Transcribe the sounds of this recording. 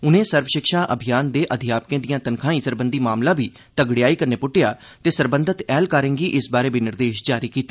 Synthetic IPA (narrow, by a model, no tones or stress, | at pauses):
ʊnẽːsəɾʋəʃɪkʃaːʔəbʱɪjaːnd̪eːʔəd̪ʱɪjaːp̚kẽːd̪ijãːt̪ənkʰãːĩːsəɾbənd̪iːmaːmlãːbiː | t̪əɡɽɪjaːiːkəɾneːpʊʈːɪjaː | t̪eːsəɾbənd̪ʱət̪ɛːlkaːɾẽːŋɡiːʔɪsbaːɾeːbiːnɪɾd̪eːʃd͡ʒaːɾiːkiːt̪ːeː